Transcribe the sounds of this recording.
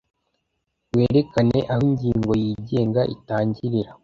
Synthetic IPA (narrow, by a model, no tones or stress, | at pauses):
we̞ːɾe̞kane̞ʔahiɲɟiːŋɡo̞jiːɟe̞ːŋɡaʔḭtaːɲɟiɾiɾa